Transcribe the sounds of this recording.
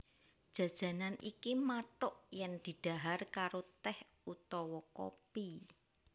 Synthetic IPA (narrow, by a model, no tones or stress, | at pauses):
ʒ̥ä̤̥ʒ̥ä̤nanʔikimaʈʊʔjɛŋd̪̥i̤ɖ̥a̤ɦarkaɾot̪ɛh | ut̪ɔwɔko̰pi